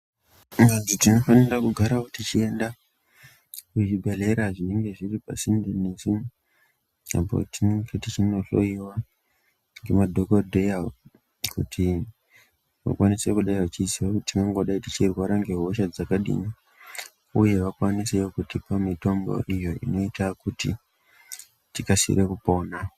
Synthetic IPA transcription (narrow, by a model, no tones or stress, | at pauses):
ŋɡanzotino̞fanirakuɡʱaɾakutit͡ʃie̞nda | kut͡ʃibʱe̞le̞ɾaʐine̞ŋɡe̞ʐiripa̰sindenesu | a̰po̞̰tinŋɡetit͡ʃino̞ɬo̰iwa | ŋɡe̞madʱokodʱeja | kṵtʰi | ʋa̰kwanisekuɗaiat͡ʃisiwakutimaŋɡo̞ɗaitit͡ʃirwaɾaŋɡe̞ɦo̞ʃ̬ad͡zakaɗḭni | uje̞ʋakwaniseokutipamito̞mbo̞̰ʔijo̞ḭno̞itakuti | tikasḭɾekupo̞na